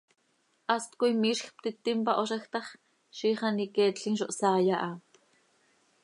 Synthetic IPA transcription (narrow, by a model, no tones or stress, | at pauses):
ʔast̪kʷijmiːʃxp̚t̪it̪impaʔoʃaxt̪aχ | ʃiχaniket͡ɬinʃoʔsaːjaʔa